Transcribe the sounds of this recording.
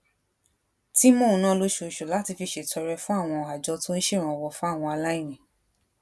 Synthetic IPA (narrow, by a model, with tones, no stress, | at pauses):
ti˦mõ˦˨ũ˧nã˦lo˧ʃo˧˨ʃo˨la˨˦ti˧fi˧ʃe˨tʰɔ˧ɾɛ˧fũ˦a˦˨w̃ɔ̃˧˨a˨d͡ʒɔ˨˧tũ˦n̩˦ʃe˦˨ɾ̃ɔ̃˨wɔ˨fũ˦a˦˨w̃ɔ̃˧a˧la˦ĩ˦˨nĩ˨